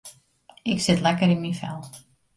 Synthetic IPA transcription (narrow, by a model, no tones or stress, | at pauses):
ɪksɪtlɛkəɾɪnminfɛ̰lˠ